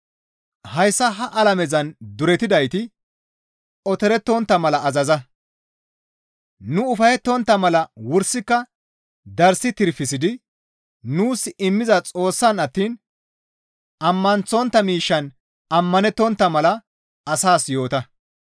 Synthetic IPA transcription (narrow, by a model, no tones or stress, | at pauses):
hɐjsːɐɦɐʔɐlɐmɛzɐnd̪ʊɾɛt̪ɪd̪ɐjt̪ɪ | ɔt̪ɛɾɛt̪ːɔnt̪ːɐmɐlɐːzɐzɐ | nʊʊfɐjɛt̪ːɔnt̪ːɐmɐlɐwʊɾsɪkːɐ | d̪ɐɾsɪt̪ɪɾfɪsɪd̪ɪ | nuːsɪmːɪzɐt͡sʼo̞ːsːɐnɐt̪ːiːn | ɐmːɐnt͡sɔnt̪ːɐmiːʃːɐn | ɐmːɐnɛt̪ːɔnt̪ːɐmɐlɐ | ɐsaːsjo̞ːt̪ɐ